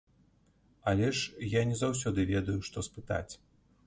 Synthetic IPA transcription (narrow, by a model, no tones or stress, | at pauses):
alʲɛʂjanʲɛzawsʲɔd̪ɨvʲɛd̪ɐjuʂt̪ɔspɨt̪a̰t͡sʲ